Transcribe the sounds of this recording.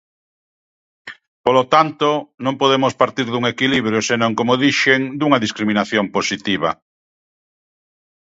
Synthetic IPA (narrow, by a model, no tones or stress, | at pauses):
polot̪ant̪onõmpoðemospaɾt̪iɾðuŋekiliβ̞ɾjosenõŋkomoðiʃeŋd̪uŋaðiskɾimĩnaθjomposit̪iβa̰